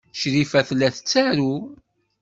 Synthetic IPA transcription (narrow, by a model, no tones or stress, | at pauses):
ʃɾifæθlːæθət͡sːæɾu